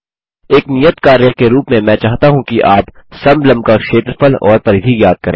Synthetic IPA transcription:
eːknijət̪kaːɾjakeɾuːpmẽmɛ̃ːt͡ʃaːɦt̪aɦũkiʔaːpsɐmblɐmb̚kakʃeːt̪ɾfʰəlɔ̰ːɾpɐɾɪd̪ʱiɡjaːd̪̚kɐɾḛ̃ː

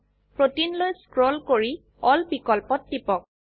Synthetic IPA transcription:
pɹotinlojskɹɔlkoɹi | ɔlbikɔlpɔt̚ːipɔk̚

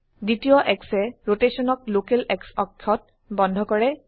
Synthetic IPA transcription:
ditijɔʔɛksɛɹotesɔnɔk̚lokelɛksɔkkʰɔt̚ | bɔndʱɔkɔɹɛ

